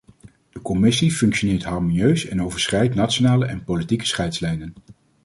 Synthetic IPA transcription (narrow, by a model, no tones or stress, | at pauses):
d̥əkɔmɪsifɵŋkʃonɪːɹtɦɑɹmonjøɥsɛnowvəɹsχɛjtnat͡ʃonaːləʔɛnpolitikə̥sχɛjtslɛjnən